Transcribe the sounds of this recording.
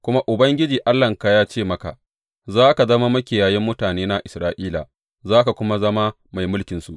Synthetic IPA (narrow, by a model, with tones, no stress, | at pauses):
kʷʊ˦ma˦ʔʊ˨bɐ˦ŋɡʲɪ˦d͡ʒiː˨ʔa˦lːɐ˨ŋka˦jaː˦t͡ʃeː˦˨mɐ˦ka̰˨ | zaː˦ka˨zɐ˦ma˦mɐ˦kʲɪ˨jaː˨jɪ˦mːʊ˦taː˨neː˦na˦ʔɪ˨sɾaː˦ʔiː˦la̰˨ | zaː˦ka˨kʷʊ˦ma˦zɐ˦ma˦ | ma˨jmʊ˦lkʲɪ˨nsu˨ʔ